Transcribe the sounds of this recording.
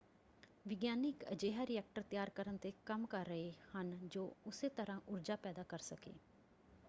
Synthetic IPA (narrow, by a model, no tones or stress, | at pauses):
ʋɪɡjaːnɪkəd͡ʒeːɦaːɾɪɛːk̚ʈəɾt̪ɪjaːɾkəɾənt̪eːkəmkəɾːəeːhənd͡ʒoːʊseːt̪əɾãːʔʊɾd͡ʒaːpɛːd̪aːkəɾsəkḛː